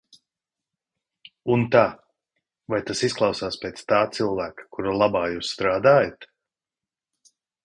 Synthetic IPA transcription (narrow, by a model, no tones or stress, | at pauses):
unt̪aː | vajt̪asisklˠɑwsaːspʲeːt̪st̪aːt̪silˠvæːkḁkuɾalˠabaːjuːsst̪ɾaːd̪aːjat̪